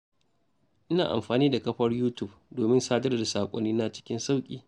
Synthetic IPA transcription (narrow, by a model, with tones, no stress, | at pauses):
ʔɪ˦naː˨ʔa̰˨mɸaː˨niː˦da˨kɐ˦ɸɐ˦rjuː˦tʊ˦˨b̚doː˨mɪ˦nsaː˦dɐ˦rda˨saː˨kʷʼɔ̰˦nːiː˦na˦t͡ʃɪ̥˦kʲɪ˦nsa˦wkʲʼḭː˨